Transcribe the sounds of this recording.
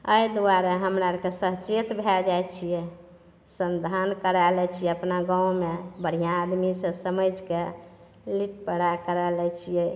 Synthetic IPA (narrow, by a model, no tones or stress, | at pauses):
əjd̪uwaɾeɦəmɾaɾkesəɦt͡ʃet̪bʱɛld͡ʒajt͡ʃʰijɛ | sənd̪ʱankəɾalɛt͡ʃʰijɛəpnaɡãwmebəɽ̤ijãːd̪misə̃səməd͡ʒke | liʈpəɽakəɾalɛt͡ʃʰijɛ